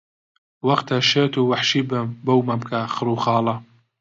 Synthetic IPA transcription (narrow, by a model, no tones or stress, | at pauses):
wɐχt̪ɐʃeːt̪uːwɐħʃiːbɨmbɐwmɐmkʰɐxɨɾuːχɑːlɐ